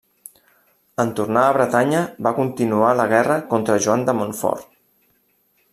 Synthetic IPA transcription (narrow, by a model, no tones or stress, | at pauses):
ənt̪urnaːβɾət̪aɲəbakunt̪inualəɣɛrəkont̪ɾəʒuand̪əmonfɔ̰ɾ